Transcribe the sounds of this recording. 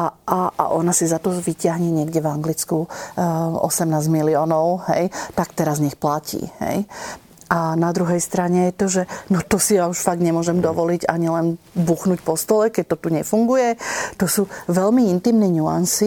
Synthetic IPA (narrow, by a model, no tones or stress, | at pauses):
aʔaa̰ʔɔnasizat̪ɔʋicɪaɦɲɛɲɪɛɡɟɛvaŋɡlit͡sku | ɔ̰sɛmnaːzmiliɔːnɔʊɦɛ̰jt̪akt̪ɛɾazɲɛxplacḭːhɛ̰j | anad̪ɾuɦɛjst̪ɾaɲɛjɛt̪ɔʒɛnɔt̪ɔsijauʃfaɡdɲɛmʊɔʒɛmd̪ɔʋɔliɟa̰ɲilɛnbuxnucpɔst̪ɔlɛkɛc̚t̪ɔt̪uɲɛfuŋɡujɛt̪ɔsuːʋɛlmiint̪imnɛɲua̰nsi